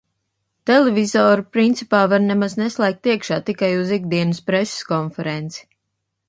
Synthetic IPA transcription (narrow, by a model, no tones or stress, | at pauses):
t̪ɛlevʲizɔːɾupɾint̪sipaːvaɾnɛmaznɛslˠæːk̚t̪ːiɛkʃaːt̪ikajuziɡd̪iɛnɨspɾesi̥skɔnfɛɾent̪si̥